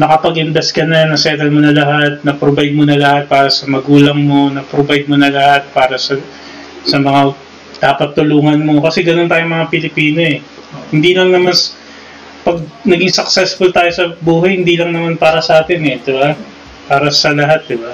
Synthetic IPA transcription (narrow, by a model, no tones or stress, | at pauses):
nɐkɐpɐɡʔɪnd̪ɐskɐnɐnɐsɛːt̪ɐlmonɐlɐɦat̪̚nɐpɾobɐj̪̚monɐlɐhat̪̚paːɾɐsɐmɐɡuːlɐŋmo̞nɐpɾobɐj̪̚monɐlɐhat̪̚paːɾɐsɐ | sɐmɐŋa | d̪̥aːpɐt̪ːʊluːŋɐnmo̞kɐsɛɡɐnont̪aːjomɐŋapɪlɪpiːno̞ɛ | hɪnd̪ilɐŋnɐmans | pɐɡ̚nɐɡɪŋsɐk̚sɛsfʊlt̪aːjo̞sɐbuːɦɐjhɪnd̪ilɐŋnɐmanpaːɾɐsɐʔaːt̪ɪnɛd̪ɪba | paːɾɐsɐlɐɦat̪̚d̪ɪba